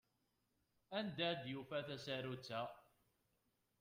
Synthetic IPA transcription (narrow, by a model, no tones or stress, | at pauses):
ænd̪æd̪jufæθæsæɾut͡sːæ